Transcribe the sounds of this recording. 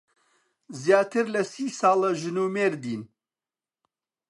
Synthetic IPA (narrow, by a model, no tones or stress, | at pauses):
zjaːt̪ʰɨɾlɐsiːsɑːlˠɐʒɨnuːmeːɾd̪iːn